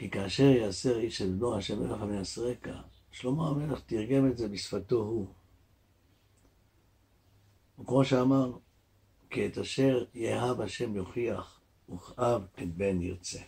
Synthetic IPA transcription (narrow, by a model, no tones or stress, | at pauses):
kikaːʃe̞ʁjaːse̞ʁiʃednohaʃemeleχameasʁeka̰ | ʃlo̞moameleχtiʁɡe̞metze̞bisfato̞ɦu | ukmo̞ʃeamaʁ | kiet̪aʃe̞ʁjeɦavhaʃe̞mjoχiaχ | uχʔavetbe̞njo̰t͡se̞